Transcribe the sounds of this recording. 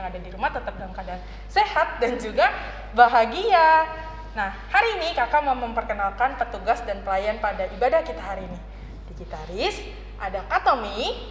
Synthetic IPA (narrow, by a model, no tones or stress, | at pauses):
aŋadadiɾumaht̪ət̪əp̚ɡaŋkadaŋ | sehat̪̚dand͡ʒuɡa | baɦaɡia | nahhaɾiːnikakamaməmpərkənalkanpət̪uɡasdanpəlajanpadaibadahkit̪aɦaɾiːni | d̥iɡit̪aɾɪs | ʔadakat̪omi